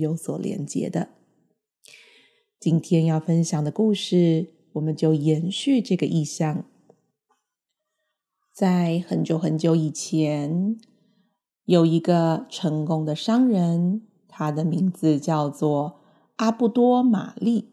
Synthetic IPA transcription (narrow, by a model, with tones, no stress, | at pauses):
jo˧˥ʊswɔ˨˩ljɛ̰˧˥nt͡ɕjɛ̰˧˥d̪ə˧ | t͡ɕi˥nt̪ʰjɛ˥njɑ˥˩ʊfə˥nɕjɑ˨˩ŋd̪ə˩˦ku˥˧ʂɻ̩˥˩ | wɔ˨˩mə˨˦nt͡ɕjo˥˩ʊjɛ˧˥nɕy˥˧ʈ͡ʂɤ˥˩ɡə˩ʔi˥˧ɕjɑ˥˩ŋ | t͡sa˥˩ɪxə˨˩nt͡ɕjo˧˥ʊxə˧˥nt͡ɕjo˧˥ʊi˨˩t͡ɕʰjɛ˧˥n | jo˨˩ʊi˧˥ɡə˧ʈ͡ʂʰɤ˧˥ŋkʊ˥ŋd̪ə˨ʂɑ˥ŋɻə˧˥n | t̪ʰa˥d̪ə˨mi˧˥ŋd͡zɹ̩˧t͡ɕjɑ˥˧ʊt͡swɔ˥˩ | a˥pu˥˩t̪wɔ˥ma̰˨˩li˥˩